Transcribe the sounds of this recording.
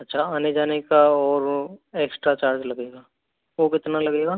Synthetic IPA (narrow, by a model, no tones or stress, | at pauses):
ɐtːʃʰaaːned͡ʒaːnekaɔːɾeːksʈɾat͡ʃaːɾd͡ʒlɐɡeːɡaː | ʋokɪt̪nalɐɡeːɡaː